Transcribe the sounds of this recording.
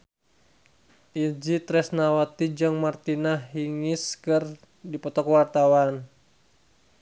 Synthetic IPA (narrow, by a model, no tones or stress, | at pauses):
ʔid͡ʒit̪ɾɛsnawat̪id͡ʒaŋmart̪inaɦiŋɪskɨr | dipɔt̪ɔkwart̪awan